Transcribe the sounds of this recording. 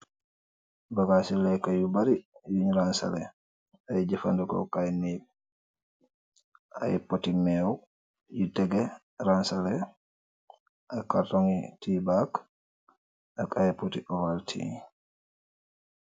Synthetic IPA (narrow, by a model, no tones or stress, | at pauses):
baɡasilɛkajubaɾijuɲɾansa̰lɛ | ajd͡ʒɛfandukɔ̰kajnib | ʔa̰jɛpotimɛw | jitɛɡɛ | ɾansalɛ | ʔakaɾtoŋitibak | ʔakʼajɛpotiʔɔwaltʰḭ